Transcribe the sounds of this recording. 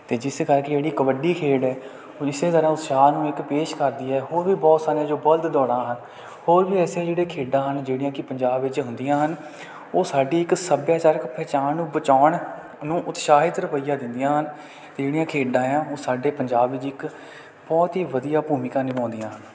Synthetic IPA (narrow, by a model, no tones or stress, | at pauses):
t̪eːd͡ʒɪskəɾked͡ʒeːɽiːkəbəɖiːkʰeːɖɛː | ɪseːt̪əɾãːʊt̪ʃaːnũːɪkpeːʃkəɾd̪iːɛːɦoːɾʋiːbɔːt̪saːɾiãːd͡ʒoːbəld̪d̪ɔːɽãːɦən | hoːɾʋiːɛːsẽːd͡ʒeːɽeːkʰeːɖãːɦənd͡ʒeːɽɪjãːkɪpəɲd͡ʒaːbʋɪt͡ʃɦʊ̃nd̪ijãːɦən | oːsaːɖiːɪksəbjaːt͡ʃaːɾəkpʰɛːt͡ʃaːnːũːbət͡ʃaːɳ | nũːʔʊt̪ʃaːɦɪt̪ɾəʋəijaːd̪ɪnd̪ijãːɦən | t̪eːd͡ʒeːɽijãːkʰeːɖãːɛãːoːsaːɖeːpəɲd͡ʒaːbʋɪt͡ʃɪk | bɔːt̪ɦiːʋəd̪ijaːpuːmɪkãːnipãːnd̪ɪjãːɦən